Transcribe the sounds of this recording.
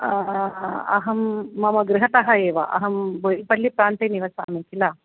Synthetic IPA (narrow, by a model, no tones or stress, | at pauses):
ɐ̰ɦɐmːɐmɐɡɾɪɦɐt̪ɐɦɐeːʋɐ̰ʔɐ̰ɦɐmboipɐlːipɾaːnt̪eniʋɐsa̰ːmikilaː